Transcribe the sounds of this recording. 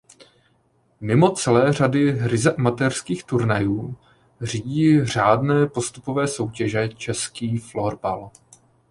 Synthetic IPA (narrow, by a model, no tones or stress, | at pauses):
mɪmo̞t͡sɛlɛːr̝adɪɾɪzɛʔamat̪ɛrskiːxt̪uɾnajuː | r̝iɟiːr̝aːdnɛːpo̞st̪upovɛːso̞wcɛʒɛt͡ʃɛskiːfloɾbal